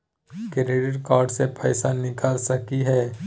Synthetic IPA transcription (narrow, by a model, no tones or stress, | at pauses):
kɪɾeːɖɪʈkaːɾɖsepɛːsanɪkaːlsɐkiɦɛː